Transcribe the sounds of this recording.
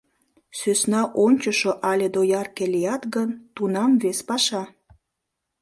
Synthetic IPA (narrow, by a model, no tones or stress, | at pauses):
søsnɑʔonʲt͡ɕəʃoʔɑlʲed̪ojɑrkelijɑt̪ɣənt̪unɑmvespɑʃɑ